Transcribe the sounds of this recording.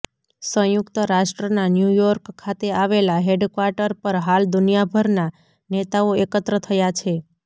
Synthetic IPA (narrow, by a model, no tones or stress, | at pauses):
sə̃jʊkt̪əɾaʃʈɾənanjujɔɾkkʰːat̪eaʋelaɦeɖkʋaɾʈəɾpəɾɦald̪ʊnijabʱəɾna | net̪aoekət̪ɾət̪ʰəjat͡ʃʰe